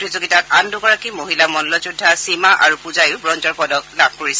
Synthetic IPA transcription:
tɹizoɡitakanduɡɔɹakimoɦilamɔnlɔzudʱːasimaʔa̰ɹupuzajʊbɹɔnzɔɹpɔdɔklab̚ʱkoɹisɛ

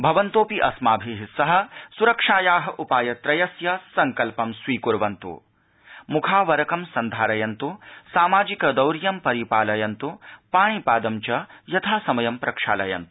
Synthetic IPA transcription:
bʱɐʋɐnt̪oːpiʔɐsmaːbʱiɦisɐɦɐ̆suɾɐkʂaːjaːɦɐ̆ʔupaːjɐt̪ɾɐjɐsjɐsɐŋkɐlpɐmsʋiːkuɾʋɐnt̪ṵ | mukʰaːʋɐɾɐkɐmsɐnd̪ʱaːɾɐjɐnt̪usaːmaːd͡ʒikɐd̪ɐwɾjɐmpɐɾipaːlɐjɐnt̪upaːɳ̃ipaːd̪ɐmt͡ʃɐjɐt̪ʰaːsɐmɐjɐmpɾɐkʂa̰ːlɐjɐ̰nt̪u̥

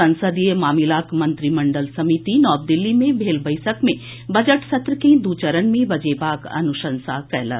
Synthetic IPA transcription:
ɐ̃nsəd̪ijəmaːmilaːkmɐ̃nt̪ɾimɐɳɖəlsɐmit̪inɔːb̚d̪ɪlːimẽbʱeːlbɐɪjsəkmẽ | bɐd͡ʒəʈsɐt̪ɾəkẽd̪uːt͡ʃəɾənmẽbɐd͡ʒeːbaːkɐ̰nuʃə̃nsakɛɦlə̰

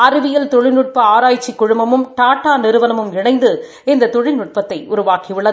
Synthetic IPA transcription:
ɐɾɯʋɪjɐlt̪ɔɻɪnuʈ̚pɐaːɾaːjt͡ʃːikːʊɻʊmbɐmɯmʈaːʈːaːnɪɾɯʋɐnɐmɯmɪɳɐɪnd̪ɯ | ɪnd̪ɐt̪ɔɻɪnʊʈ̚pɐt̪ːɐɪʔʊɾʊʋaːkiʋɪɭːɐðɯ

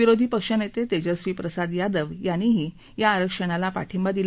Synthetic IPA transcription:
ʋiɾod̪ʱiːpəkʂənet̪et̪ed͡ʑəsʋipɾəsad̪jad̪əʋjañiɦiː | jaːɾəkʂəɽ̃alapa̰ʈʰimbad̪il

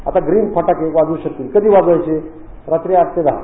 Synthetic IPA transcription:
at̪aɡɾiːnpʰaʈakeʋad͡zuːɕək̚t̪iːlkəd̪ʱiːʋad͡zʋajt͡ɕe | ɾat̪ɾiakt̪ed̪aɦa̰

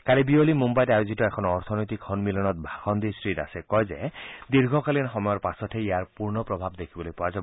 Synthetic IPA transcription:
kaɾibiolimumbajɾajod͡ʒitɔekʰɔnɔɔɾt̪ʰɔnɔjt̪ikʰːɔnmilɔnɔt̪̚bʱaxɔnd̪isɾida̰sekɔjd͡ʒed̪iɾɡʱɔkalinɦɔmɔjɔɾpasɔt̪ʰejjaɾpuɾnɔpɾɔbʱabd̪ekʰibɔlojpɔad͡ʒa

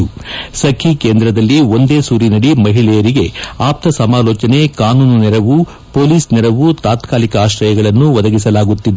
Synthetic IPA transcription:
usɐkʰikeːnd̪ɾɐd̪ɐlːio̞nd̪e̞ːsuːɾinɐɽimɐɦiɭɛjɐɾiɡe̞aːp̚t̪ʰɐsɐmaːlɔːt͡ʃɐne̞kaːnuːnnɛɾɐʋu | poːliːsnɛɾɐʋut̪aːt̪kaːlikɐaːʃɾɐjɐɡɐɭɐnːuʋɐd̪ɐɡisɐlaːɡut̪ːid̪

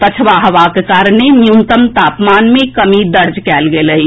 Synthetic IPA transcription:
t̪ət͡ʃʰəʋaɦɐʋakekaːɾənenjunt̪əmt̪aːpmaːnmẽkəmid̪əɾd͡ʒkɛːlɡeləɦi

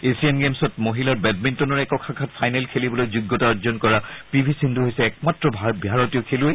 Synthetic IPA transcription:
esiɛnɡemsɔtmoɦilaɹbɛd̚mintɔnɔɹɛkɔkʰakʰatpʰajnɛlkʰelibɔlojzuɡːɔtaazɔnkɔɹapibʱisinduɦojsɛːk̚matɹɔbʱabʱaɹɔtiɔkʰeluej

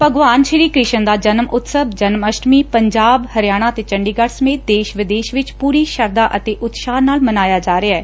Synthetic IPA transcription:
pəɡʋaːnʃəɾiːkɾɪʃənd̪aːd͡ʒənmʊt̪səbd͡ʒənməʃʈmiːpəɲd͡ʒaːbhəɾɪjaːɽ̃aːət̪eːt͡ʃəɳɖiːɡəɽsəmeːt̪̚d̪eːʃʋɪd̪eːʃʋɪt͡ʃpuːɾiːʃəɾd̪aːʔət̪eːʔʊt̪ʃaːnaːlmənaːjaːd͡ʒaːɾeaɛː

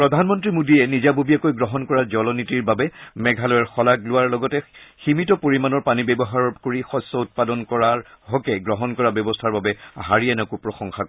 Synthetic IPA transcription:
pɹɔdʱanmɔntɹimudiɛnizabobiakojɡɹɔɦɔnkɔɹaɹzɔlɔnitiɹbabɛmɛɡʱalɔjɔɹxɔlaɡlʊwaɹlɔɡɔtɛximitɔpoɹimanɔɹpanibɛbɔɦaɹɔkoɹixɔsːɔut̚padɔnkɔɹaɹɦɔkɛɡɹɔɦɔnkɔɹabjɔbɔstʰaɹbabɛɦaɹiɛnɔkupɹɔxɔŋxako

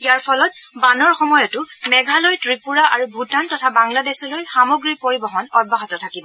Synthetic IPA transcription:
ijaɹpʰɔlɔt̚banɔɹxɔmɔjɔtʊmɛɡʱalɔjtɹipuɹaʔaɹubʱutantɔtʰabaŋladɛsɔlojxamoɡɹiɹpoɹibɔɦɔnɔbʱaɦɔtɔtʰakibɔ

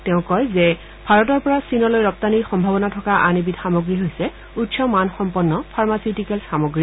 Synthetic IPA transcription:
tɛʊ̃kɔjzɛ | bʱaɹɔtɔɹpɔɹasinɔlojɹɔp̚taniɹxɔmbʱabɔnatʰɔkaʔanibidxamoɡɹiɦojsɛ | utsɔmanxɔmpɔnːɔpʰaɹmasitikɛlsxamoɡɹi

